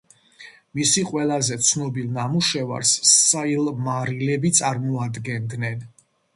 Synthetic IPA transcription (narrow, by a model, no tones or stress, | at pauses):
misiqʼwɛlˠazɛt̪sʰnɔbilˠnamuʃɛva̰ɾsːailˠmaɾilɛbit̪sʼaɾmɔad̪ɡɛnd̪nɛn